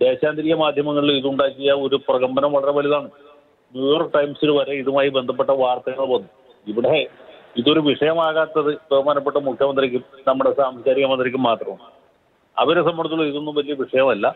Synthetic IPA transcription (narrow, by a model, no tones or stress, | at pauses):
d̪e̞ːɕaːnd̪iɾiɣɐmaːd̪ʱjɐmɐŋːɐɭiliðuɳɖaːkʲːijɐo̞ɾuprɐɣɐmbɐnɐmʋɐɭɐre̞ʋɐliðaːɳɨ | njuːjo̞ːrk̚ʈɐjmsiɽʋɐɾe̞iðumaːjibe̞nd̪ʱɐp̬ːe̞ʈːɐʋaːrt̪ɐɣɐɭponːu | iʋiɽeiðo̞ɾuʋiʂɐjɐmaːɣaːt̪ːɐðɨʋeʋɐmaːnɐp̬ːeʈːɐmukʰjɐmɐnd̪rikʲːumnɐmːuɽesaːmsɐd͡ʑaːɾiɣɐmɐnd̪rik̬ʲːumːaːt̪rɐm | ɐ̰ʋɐɾesɐmbʱɐɳɐt̪ːuɭːɐiðonːuʋɐtːijɐʋiʂɐjɐmɐlːɐ